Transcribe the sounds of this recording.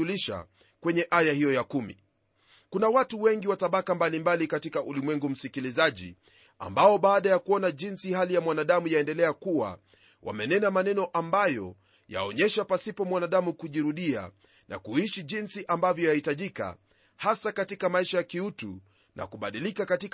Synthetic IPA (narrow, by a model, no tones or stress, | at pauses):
uliʃa̰ | kwɛɲɛʔajahijɔjakumḭ | kunawatuwɛŋɡiwataɓakambalimbalikatikaʔulimwɛŋɡum̩sikilizaʄḭ | a̰mbaɔɓaːɗajakuɔnaʄinsihalijamwanaɗamujaɛndɛlɛakuwa̰ | wʔa̰mɛnɛnamanɛnɔʔambajɔ | ja̰ɔɲɛʃapasipɔmwanaɗamukuʄiɾuɗia̰ | nʔa̰kuiʃiʄinsiʔambavjɔjahitaʄika̰ | hasakatikamaiʃajakiutṵ | nʔa̰kuɓaɗilikakatik